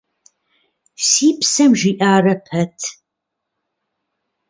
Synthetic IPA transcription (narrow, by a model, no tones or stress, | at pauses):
siːpsɐmʒiːʔaːrɐpʰɐtʰ